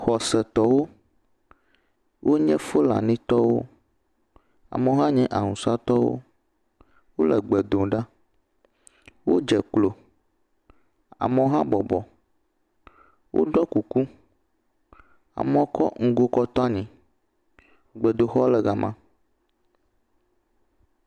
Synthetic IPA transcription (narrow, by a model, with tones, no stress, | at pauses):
xɔ˨sɛ˨t̪ɔ˨wo˦ | wʔo˦ɲɛ̃˦fo˦la̰˨nĩ˦t̪ɔ˦wo̰˦ | a̰˨mɛ̃˨˦ɦã˦ɲɛ̃˦ʔa˨ŋũ˨sa˦t̪ɔ˦w̰o̰˦ | wo˦lɛ˨ɡ͡bɛ˨d̪o˨ɖa˦ | wo˦d͡ʒɛ˨k͡plo˨ | a̰˨mɛ̃˨˦ɦã˦bɔ˨bɔ˨ | wʔo̰˦ɖɔ˦ku˨ku˦ | a̰˨mɔ̃˨kɔ̰˦ŋ̩˦ɡo˦kɔ˦t̪ɔ˦a˦ɲĩ˨ | ɡ͡bɛ˨d̪o˨xɔ˦lɛ˨ɡa˨mã̰˦